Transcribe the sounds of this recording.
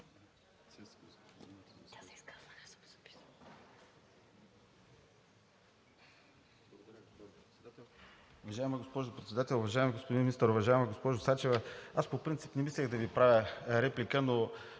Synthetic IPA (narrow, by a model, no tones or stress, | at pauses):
t̪ʲasɛiskaz̥ɐnɛpi̥s | p̪ˠ | ʊvɐʒaɛmɐɡospɔʒʊpɾɛt̪sɛd̪at̪ɛlˠʊvɐʒaɛmiɡospod̪inmʲinist̪əɾʊvɐʒaɛməɡospɔʒʊsat͡ʃɛvəaspopɾint̪si̥pnɛmislʲɛxd̪ɐvipɾavʲjəɾɛplikəno